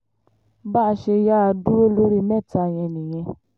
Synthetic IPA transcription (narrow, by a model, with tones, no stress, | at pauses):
ba˦˨˦ʃe˧ja˦a˧du˦o˦lo˦ɾi˦mɛ˦˨ta˧˨j̃ɛ̃˧nĩ˨j̃ɛ̃˧